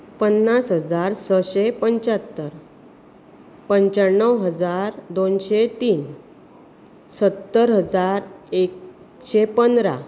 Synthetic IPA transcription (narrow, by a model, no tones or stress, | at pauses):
pənːasɦəd͡zaɾsəɕepəɲt͡ɕat̪ːəɾ | pəɲt͡ɕaɳːəwɦəd͡zaɾd̪onɕet̪iːn | sət̪ːəɾɦəd͡zaɾek | ɕepənd̪ɾa̰